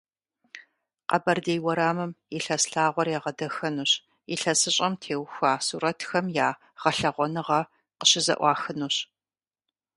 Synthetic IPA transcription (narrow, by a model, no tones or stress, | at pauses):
qɐ̰bɐrdeːjwɐɾaːmɨmiɬɐsɬaːʁʷɔrjaːʁɐdɐxɐnuːɕ | iɬɐsɨɕʼɐmtʰeːwxʷaːsuːɾɐtxɐmjaː | ʁ̥ɐɬɐʁʷɔnɨʁɐ | qə̥ɕɪzɐ̰ʔʷɑːxɨnuːɕ